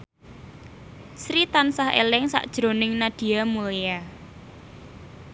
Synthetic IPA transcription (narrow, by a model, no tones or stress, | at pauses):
sɾit̪ansahḛlɪŋsa̰ʔd̥ʒ̥ɾonɪŋnad̥i̤amulea